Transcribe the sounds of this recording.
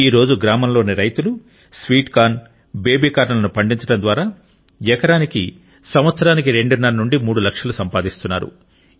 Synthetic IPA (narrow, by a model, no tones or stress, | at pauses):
iːɾo̞ːd͡ʒuɡɾaːmɐmlo̞ːneɾɐjt̪ulu | sʋiːʈkaːn | be̞ːbiːkaːɾnɐlɐnupɐɳɖiɲt͡ʃɐɽɐnd̪ʋaːɾaː | jɛkɐɾaːniki | sɐmʋɐt̪sɐɾaːnikiɾe̞ɳɖunːɐɾɐnuɳɖimuːɽulɐkʂɐlusɐmpaːd̪ist̪unːa̰ːɾṵ